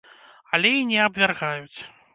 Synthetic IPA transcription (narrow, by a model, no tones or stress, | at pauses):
ɐlʲɛinʲɛɐbvʲarɣajut͡sʲ